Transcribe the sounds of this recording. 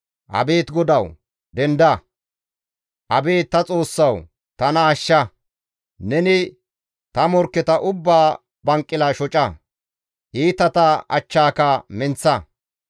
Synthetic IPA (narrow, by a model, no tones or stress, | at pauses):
ʔɐ̰beːt̪ɡɔd̪ɐw | d̪ɛnd̪ɐ | ʔɐbeːt̪ːɐt͡sʼo̞ːsːɐw | t̪ɐnɐːʃːɐ | nɛnɪ | t̪ɐmɔɾkːɛt̪ɐʔʊbːaː | bɐŋkʼːɪlɐʃɔt͡ʃʼɐ | ʔiːt̪ɐt̪ɐɐ̰t͡ʃːaːkɐmɛnt͡sːɐ